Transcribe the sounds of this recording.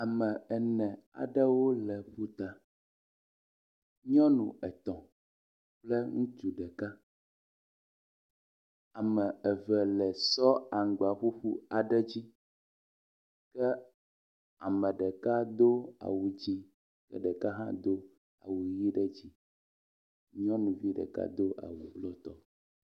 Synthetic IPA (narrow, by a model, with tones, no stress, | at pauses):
a˨mɛ˨ɛ˨nɛ̃˨a̰˨ɖɛ˦wo˦lɛ˨ɸu˦t̪a˨ | ɲɔ̃˦nṵ̃˨ɛ˨t̪ɔ̃˨ | plɛ˦ŋũ˦t͡ʃ̪u˨ɖɛ˨ka˦ | a˨mɛ̃˨ɛ˨vɛ˨lɛ˨sɔ˦a˨ŋ˨ɡ͡ba˨ɸu˦ɸu˦a˨ɖɛ˦d͡ʑi˦ | kɛ˦ | a˨mɛ̃˨ɖɛ˨ka˦d̪o˦a̰˨wu˨d͡ʑi˦ | kɛ̰˦ɖɛ˨ka˦ɦã̰˦d̪o˦ | a̰˨wu˨ji˦ɖɛ˦d͡ʑi˦ | ɲɔ̃˦nũ˨vi˦ɖɛ̰˨ka̰˦d̪o˦ʔa̰˨wu˨blɔ˦t̪ɔ˨